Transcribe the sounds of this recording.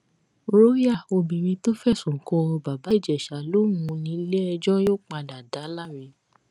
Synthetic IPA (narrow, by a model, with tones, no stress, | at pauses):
ɾo˦ja˦˨o˧bĩ˨ɾĩ˧to˦fɛ˦˨sũ˨kɔ̃˧ba˨ba˨˦i˦˨d͡ʒɛ˨ʃa˨lo˦wũ˧nĩ˨˦le˦ɛ˧d͡ʒɔ˦jo˦˨k͡pa˧da˨da˨˦la˦ɾe˧˦